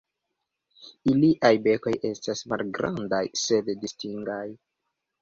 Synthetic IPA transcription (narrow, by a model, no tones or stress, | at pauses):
iliʔajbe̞ko̞je̞stasma̰lɡɾa̰ndajse̞ddistiŋɡaj